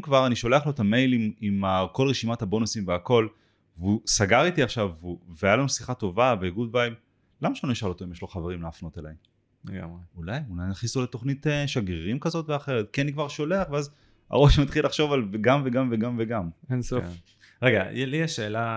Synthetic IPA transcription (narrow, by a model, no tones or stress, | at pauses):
mkvaʁaniʃo̞le̞aχloet̪ame̞jlimimako̞lʁeʃimathabo̞nusimveako̞l | vusaɡaʁit̪iaχʃavuveajalonsiχato̞vabeiɡud̚baim | lamaʃeanoiʃalo̞t̪oimjeʃlo̞χaveʁimlaːfno̞telajem | leɡa̰mʁeulajunanaχnisoleto̞χnit̪eʃaɡiʁimkazo̞tveaχe̞ʁet̪̚kenikvaʁʃo̞le̞aχveaz | a̰ʁo̞ʃmat̪χilːaχʃo̞valveɡamveɡamveɡamveɡamenso | ʁeɡa̰jɛlieʃeːla